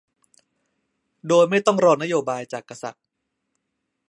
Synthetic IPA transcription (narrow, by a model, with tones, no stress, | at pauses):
doː˧jma˥˩jt̪ɔ˥˩ŋɾɔː˧ŋna˥joː˧baː˧jt͡ɕaː˨˩kːa˧sa̰˨˩t̪̚